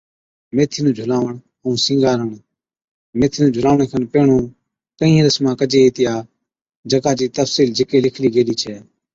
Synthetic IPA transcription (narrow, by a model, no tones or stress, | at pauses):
meːt̪ʰiːnũːd͡ʒʱʊlaːʋəɳɦũːsɪ̃ːŋɡaːɾəɳ | meːt̪ʰiːnũːd͡ʒʱʊlaːʋəɳeːkʰənpeːɳõː | k̪əĩːɾəsmãːkəd͡ʒeːiːt̪ɪjaː | d͡ʒəkaːd͡ʒiːt̪əfsiːld͡ʒɪkeːlɪkʰliːɡeːliːt͡ʃʰɛː